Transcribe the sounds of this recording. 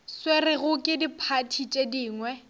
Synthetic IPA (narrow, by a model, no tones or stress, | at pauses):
swerɪɣʊkʼɪdipʰatʰit͡ʃʼediːŋwɛ